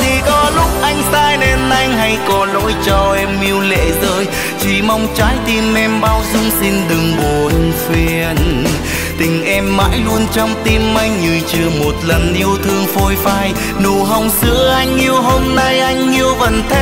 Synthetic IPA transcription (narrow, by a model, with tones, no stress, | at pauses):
t̪ʰi˨˩kɔ˨˦lʊ˦˥k͡p̚ʔa˧jŋ̟t̪aː˧jne˧˩nʔa˧jŋ̟ɦa˧jkɔ˨˦lo̰˧˥jt͡ɕɔ˧ʔɛ˧mːi˧əwlḛ˧˨˥zəː˧j | t͡ɕi˨˩ma˧wŋ͡mt͡ɕaː˨˦jt̪i˧mɛ˧mɓaː˧wzʊ˧ŋ͡msi˧nɗɨ˨˩ŋɓo˨˩hi˧ŋfi˧ən | t̪ï˨˩ŋ̟ʔɛ˧mːa̰ː˧˥jlu˧ənt͡ɕɔ˧wŋ͡mt̪i˧mːa˧jŋ̟ːɨ˨˩jt͡ɕɨ˨˩əmo˨˩t̚lə˨˩nʔi˧əwt̪ʰɨ˧əŋfo˧jfaː˧j | nu˧˨˩ɦə˧wŋ͡msɨ̰˧˥əʔa˧jŋ̟ʔi˧əwɦo˧mna˧jʔa˧jŋ̟ʔi˧əwvə˨˩nt̪ʰe˦